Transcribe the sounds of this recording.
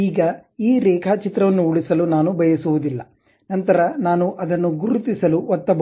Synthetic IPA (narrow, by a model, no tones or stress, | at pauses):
iːɡɐiːɾɛːkʰaːt͡ʃit̪ɾɐʋɐnːuuɭisɐlunaːnubʱɐjɐsuʋud̪ilːɐ̰ | nɐnt̪ɐɾɐnaːnuʔɐd̪ɐnːuɡuɾut̪isɐluɔt̪ːɐb